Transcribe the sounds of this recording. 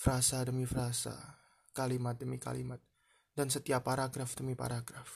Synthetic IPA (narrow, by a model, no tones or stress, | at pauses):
fɾasadəmifɾasa̰ | kalimat̪̚dəmika̰lḭmat̪̚ | dansət̪iapːaɾaɡɾafdəmipa̰ɾaɡɾaf